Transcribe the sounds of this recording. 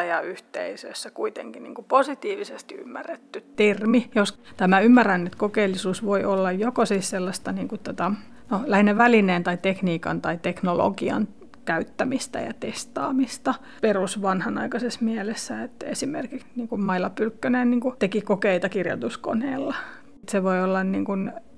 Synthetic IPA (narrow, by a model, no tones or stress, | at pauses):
jɑyht̪ḛisø̰sːækuit̪ḛŋkinḭːŋkuposit̪iːʋisest̪iy̰mːæ̰rːet̪ːytt̪ermijost̪æmæymːærænːyt̪kokeilːisuːsʋoiolːɑjjokosiːsselːɑst̪ɑniːŋkut̪ot̪ɑ | nolæhinːæʋælineːnt̪ɑit̪ekniːkɑ̰nt̪ɑit̪eknolo̰ɡiɑ̰n | kæyt̪ːæmist̪æ̰jɑ̰t̪est̪ɑ̰ːmist̪ɑ | perusʋɑnhɑnɑ̰ikɑsesmiælesːæet̪ːesimerkikniːŋkummɑilɑpylkːønenniːŋkut̪ekikokeit̪ɑkirjo̰t̪usko̰nḛːlːɑ | t̪seʋoiolːɑnniːŋkun